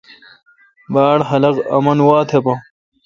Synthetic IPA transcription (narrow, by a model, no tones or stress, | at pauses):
baːɽɦɐlɐqɐ̰mɐnwaːt̪ʰepɐ